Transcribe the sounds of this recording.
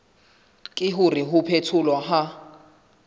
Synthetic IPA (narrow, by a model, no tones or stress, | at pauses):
kʼɪɦʊriɦʊpʰetʰulwaɦa